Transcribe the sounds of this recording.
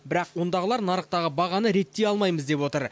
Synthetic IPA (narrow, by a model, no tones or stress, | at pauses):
bɪɾɑqwo̞nd̪ɑʁəlˠɑɾnɑɾəq̚t̪ɑʁəbɑʁɑnəɾe̞t̪ːe̞jɑlˠmɑjməzd̪e̞pwo̞t̪əɾ